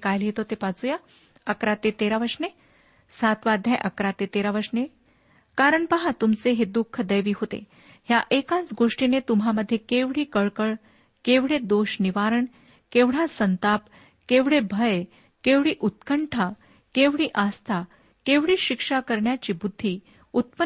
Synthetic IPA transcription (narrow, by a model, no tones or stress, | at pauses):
kajlɦet̪ot̪epat͡suja | əkɾat̪et̪eɾaʋəɾʂne | sat̪ʋad̪ʱjajʔəkɾat̪et̪eɾaʋəɾʂne | kaɾəɳpəɦat̪umt͡seɦed̪ukʰːəd̪əjʋiːɦot̪ḛ | ɦjaʔekãt͡sɡoʂʈinet̪umɦaməd̪ʱːjekeʋɽiːkəɭkəɭ | keʋɽ̤ed̪oɕniʋaɾəɳ | keʋɽ̤asənt̪ap | keʋɽ̤ebʱəj | keʋɽiːʔut̪kəɳʈʰa | keʋɽiːʔast̪ʰa | keʋɽiːɕikʂakəɾɳjat͡ɕiːbud̪ʱːiː | ut̪̚pə